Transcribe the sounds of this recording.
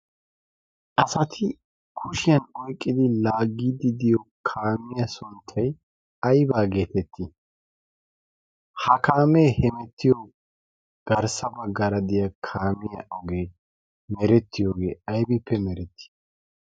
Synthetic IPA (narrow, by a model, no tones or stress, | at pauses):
ʔɐsɐt̪ʰɪ | kʰʊʃɪjɐnɔjkʼːɪd̪ɪlaːɡːiːd̪ɪd̪ɪjɔkʰaːmɪjɐsʊnt̪ʰːɐj | ɐjbaːɡe̞ːt̪ɛt̪ːi | hɐkaːmejhɛmɛt̪ʰːɪjɔ | ɡ̥ɐɾsɐbɐɡːɐɾɐd̪ɪjɐkʰaːmɪjɐ̰ʔɔɡe̞ː | mɛɾɛt̪ːɪjoːɡe̞̰ːɐjbɪpːɛmɛɾɛt̪ʰːɪ̥